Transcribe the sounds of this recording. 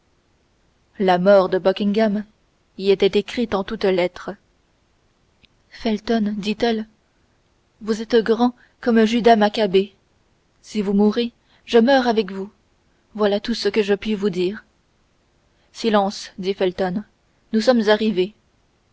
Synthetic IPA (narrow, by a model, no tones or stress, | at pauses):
lamɔʁd̪əbɔkʲĩŋɡam | iɛt̪ɛt̪ekχit̪ɑ̃t̪ut̪lɛt̪χə | fɛlt̪ɔnd̪it̪ɛl | vuzɛt̪ɡʁɑ̃ | kɔmʒyd̪amakabe | sivumuʁe | ʒəmœʁavɛkvu | vwalat̪usəkəʒəpɥivud̪iːʁ | silɑ̃sd̪ifɛlt̪ɔnː | usɔmzaʁive